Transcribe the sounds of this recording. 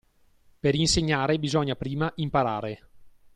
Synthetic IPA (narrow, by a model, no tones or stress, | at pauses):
peɾinseɲːaːɾebizɔɲːapɾiːmaʔimpaɾaːɾe